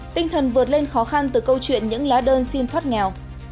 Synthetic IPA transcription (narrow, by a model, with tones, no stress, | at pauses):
t̪ï˧ŋ̟t̪ʰə˨˩nvɨ˨˩ət̚le˧nxɔ˨˦xa˧nt̪ɨ˨˩kə˧wt͡ɕwḭ˧˨ənɲɨ̰˧˥ŋlaː˨˦ɗəː˧nsi˧nt̪ʰwaː˦˥t̚ŋɛ˨˩w